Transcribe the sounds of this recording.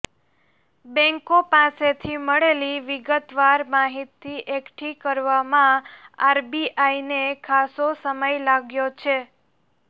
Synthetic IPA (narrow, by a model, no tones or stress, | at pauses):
bɛ̃ŋkopaset̪ʰiməɭeliʋɪɡət̪ʋaɾmaɦit̪ːiʔekʈʰikəɾʋamãaɾbiʔajnekʰasosəməjlaɡjot͡ʃʰe